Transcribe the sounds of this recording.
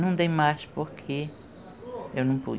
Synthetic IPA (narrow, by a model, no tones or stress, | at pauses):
nũnd̪emãʃpokʰi | jonũpṵ